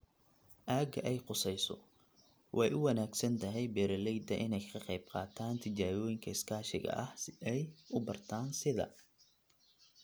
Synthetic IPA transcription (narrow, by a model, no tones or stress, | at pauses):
ʔaːɡɐʔɛjqʊsɛjsɔ̰ | wʔɑjʔʊwɑnaːɡsɐnt̪ʰɐɦɛjbɛːɾɐlɛjd̪ɐʔɪnɛjkʰɐqɑjb̚qɑːt̪ʰaːnt̪ʰɪt͡ʃaːɣɔːjɪŋkʰɐɪskʰaːʃɪɣɐ̰ʔɐhɛjʊbɐrt̪ʰaːnsɪðɐ̰